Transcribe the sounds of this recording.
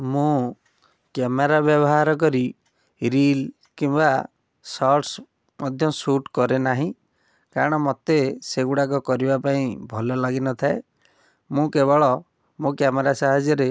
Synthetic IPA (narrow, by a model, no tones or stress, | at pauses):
mũ | kameɾabjɔbɔɦaɾɔk̬ɔɾi | ɾil | kimba | sɔɾʈs | mɔd̪ʱjɔsuʈkɔɾenaɦĩ | kaɾɔɽ̃ɔmɔt̪eseɡuɽak̬ɔkɔɾibapaĩbʱɔlɔlaɡinɔt̪ʰae | mũkeβɔɭɔ | mũkameɾasaɦad͡ʒjɔɾe